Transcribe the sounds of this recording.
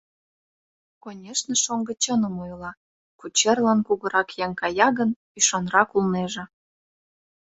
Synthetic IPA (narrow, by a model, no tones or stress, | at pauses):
konʲeʃneʃoŋɡə̆t͡ɕɤnə̆mujlˠɑ | kut͡ɕerlɑnkuɣɤ̆ɾɑkjɑŋkɑjɑɣən | yʃɑnrɑkulneʒĕ